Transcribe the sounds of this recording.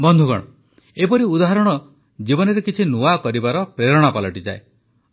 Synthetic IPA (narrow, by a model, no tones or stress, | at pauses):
bɔnd̪ʱuɡɔ̰ɽ̃ɔ | epɔɾiud̪aɦaɾɔɽ̃ɔ | d͡ʒibɔnɔɾekit͡ʃʰinuakɔɾibaɾɔpɾeɾɔɽ̃apalɔʈid͡ʒa̰e